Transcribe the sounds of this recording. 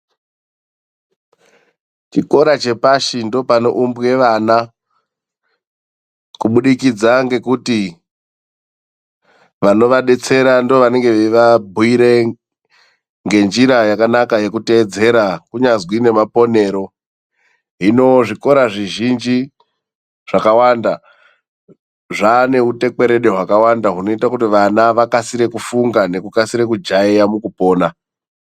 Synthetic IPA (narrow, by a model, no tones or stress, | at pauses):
t͡ʃiko̞ɾat͡ʃe̞paʃindo̞pano̰ʔumbwe̞ʋaːna | kuɓuɗikid͡zaŋɡe̞kuti | ʋano̞ʋaɗe̞t͡se̞ɾandooʋane̞ŋɡe̞ʋeʋabʱuiɾe̞ | ŋɡe̞nd͡ʒiɾajakanakaje̞kute̞ːd͡ze̞ɾakuɲazwine̞mapo̞ne̞ːɾo̞ | ɦino̞ʐiko̞ɾaʐiʒind͡ʒi | ʐ̥akawanda | ʐaːne̞ute̞k͡pe̞ɾe̞ɗe̞ɦwakawandaɦuno̞itakutiʋanaʋakasiɾe̞kufuŋɡane̞kukasiɾe̞kud͡ʒaijamukupo̞ːna